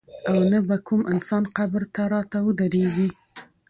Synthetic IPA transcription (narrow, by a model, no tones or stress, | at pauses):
awnabakʰumʔɪnsɑnqabɾt̪aɾɑt̪awəd̪aɾeɡi